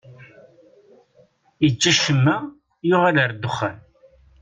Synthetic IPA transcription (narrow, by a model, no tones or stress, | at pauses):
əd͡ʒːæʃəmːæ | jʊʁaləɾd̪ʊχːə̰n